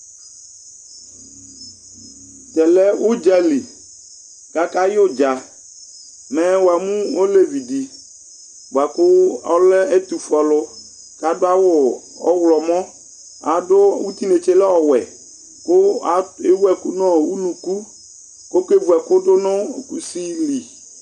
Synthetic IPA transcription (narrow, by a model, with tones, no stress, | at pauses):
tɛ˨lɛ˦u˦d͡ʒa˨li˨ | ka˦ka˦jo˦d͡ʒa˨ | mɛ̃˦wo˨a˨mũ˦wo˦le˦vi˨di˨ | ba˨kʊ˦ɔ˦lɛ˦e˦t̪u˨fɔ˨lʊ˦ | ka˨dʊ˦a˦wʊ˦ | ɔ˦wlɔ˨mɔ̃˦ | a˨dʊ˦wu˦t̪i˦ne˨t͡ʃe˦lɛ˦ɔ˨wɛ˨ | kʊ˦a˨e˦wu˦ɛ˨ku˦nɔ̃˦˨wu˦nũ˨ku˦ | ko˦ke˦vu˨ɛ˨kʊ˦ɖʊ˦nɔ̃˦˨ku˦si˦li˨